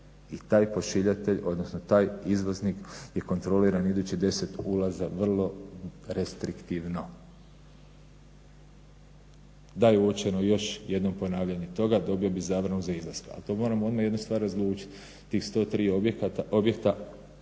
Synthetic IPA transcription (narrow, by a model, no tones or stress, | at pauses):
it̪aːjpo̞ʃiʎat̪e̞ʎo̞d̪nosnot̪aːjizʋozniːkje̞ko̞nt̪ɾo̞liɾanid̪uːt͡ɕid̪e̞se̞t̪ulˠazaʋr̩lˠo̞ɾest̪ɾikt̪iʋno̞ | d̪ajeuot͡ʃenojo̞ʃje̞d̪no̞mpo̞naːʋʎaɲet̪o̞ɡad̪o̞bio̞bizaːʋɾanuzaizlˠaskaa̰t̪o̞ːmo̞ːɾamoo̞d̪maje̞d̪nust̪ʋaːɾazlˠuːt͡ʃi̥t̪ | t̪ːiːxst̪o̞ːt̪ɾiːoekt̪objekt̪a